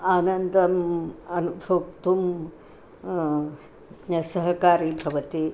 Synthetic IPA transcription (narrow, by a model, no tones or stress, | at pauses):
aːnɐnd̪ɐmɐnubʱɐkt̪um | sɐɦɐkaːɾibʱɐʋɐt̪i